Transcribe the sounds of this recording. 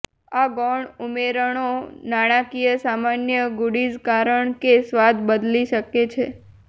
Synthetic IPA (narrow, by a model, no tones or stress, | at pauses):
aɡɔɳumeɾəɳ̃onaɽ̃akijəsamanjəɡuɽid͡ʒkaɾəɳkesʋad̪bəd̪liʃəket͡ʃʰe